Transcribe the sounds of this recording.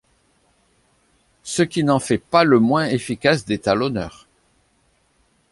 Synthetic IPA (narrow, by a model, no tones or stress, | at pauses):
səkʲinɑ̃fɛpaləmwɛ̃efikasd̪et̪alɔnœ̰ːʁ